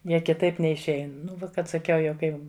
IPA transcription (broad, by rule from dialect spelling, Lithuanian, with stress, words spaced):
ˈjiɛ kʲɪˈtɐɪp nʲɛɪʃʲˈɛɪn ˈnʊ ˈkɐt sɐˈkʲɛʊ jɛʊ ˈkɐɪ